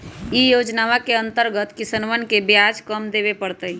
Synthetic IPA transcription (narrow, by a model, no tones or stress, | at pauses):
ijoːd͡ʒnaʋakeə̃nt̪əɾɡət̪kisənʋənkebjad͡ʒkəmd̪eːʋepəɽt̪əi